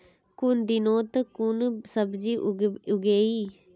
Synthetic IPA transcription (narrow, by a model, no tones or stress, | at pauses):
kʊnd̪iːnoːt̪kʊnsəbd͡ʒiːʔʊɡeːiː